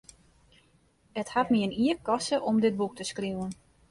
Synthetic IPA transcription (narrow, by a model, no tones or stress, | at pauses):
həthatmiəniəkɔsəʔɔmdɪt̚buk̚təskriwən